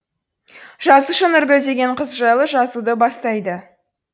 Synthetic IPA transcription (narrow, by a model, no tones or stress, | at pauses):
ʒɑzəʃənʏɾbʲɵd̪e̞ɡʲe̞ɴqʰəzʒɑjlˠəʒɑzud̪əbɑst̪ɑjd̪ə